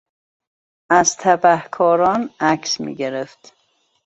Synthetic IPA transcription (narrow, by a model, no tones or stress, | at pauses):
æzt̪ʰæbæhkʰɒːɾɒːnæksmḭːɟe̞ɾeft̪